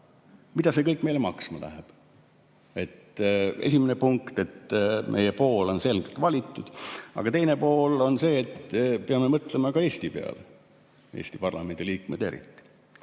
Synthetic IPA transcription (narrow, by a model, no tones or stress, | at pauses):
mid̪ɑse̞kɤjkːˑme̞jlemɑksmɑlæ̰ɦeb̥ | e̞t̪e̞̰sʲimenepuŋkt̪e̞t̪mʔe̞̰jepo̞ːlo̞nse̞lɡ̥elt̪vɑlʲit̪ːˑud̪̥ɑ̰ɡ̥ɑt̪ejnepo̞ːlo̞nse̞ːt̪ːpeɑmːemɤt̪ˑlemɑkɑe̞ːsʲt̪ipeɑ̰le | ḛːsʲt̪ipɑrlɑme̞nʲd̪̥iliːkmed̪e̞ɾḭt̪ːi̥